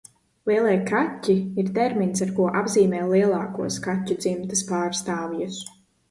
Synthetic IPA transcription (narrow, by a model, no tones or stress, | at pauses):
lˠiɛlˠijkatʲːiiɾt̪ɛɾminsaɾkuɔʔabziːmɛːlˠiɛlˠaːkuɔskat̪ʲːud̪z̥imt̪aspaːɾst̪aːvijus